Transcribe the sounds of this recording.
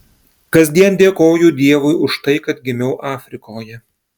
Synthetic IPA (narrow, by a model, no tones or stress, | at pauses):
kɐzʲd̪ʲiɛnd̪ʲeːkoːjʊd̪ʲiɛʋʊɪʊʃt̪ɐɪkɐt̪̚ɡʲɪmʲɛʊʔɑːfʲɾʲɪkoːjɛ